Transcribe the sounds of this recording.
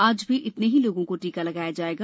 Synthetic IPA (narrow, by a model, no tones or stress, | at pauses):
aːd͡ʒbʱiʔɪt̪neɦiloːɡõkoʈiːkalɐɡaːjad͡ʒaːeːɡa